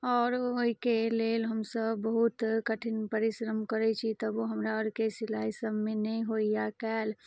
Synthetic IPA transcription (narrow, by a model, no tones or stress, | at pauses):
ɔːɾoɦikelelɦəmsəbːəɦut̪kəʈʰinpəɾɪsɾəmkəɾɛt͡ʃʰit̪əboɦəmɾaəɾkesilaːisəbmenəĩɦoijakɛːl